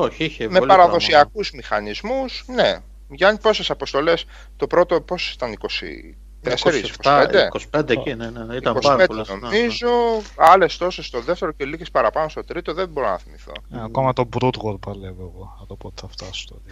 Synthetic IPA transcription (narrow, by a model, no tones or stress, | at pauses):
oçiçemelɐɾɐðo̞ssiɐkuzmixɐnizmusne | ʝɐnpo̞se̞sɐpo̞st̪o̞le̞s | t̪o̞pɾo̞t̪o̞po̞si̥t̪ɐniko̞sḭ | t̪eseɾisskosped̪ekosi̥pend̪eineneit̪ɐkosiɐpenpdnomizo̞ɐle̞st̪o̞se̞st̪o̞ðeft̪e̞ɾocelikespɐɾɐpɐno̞st̪o̞t̪ɾit̪o̞ðebo̞ɾonɐ̰θimiθo̰ɐkomɐt̪obɾut̪ɣoɾpɐlevoeɣoɐðopot̪ɐft̪ɐst̪oi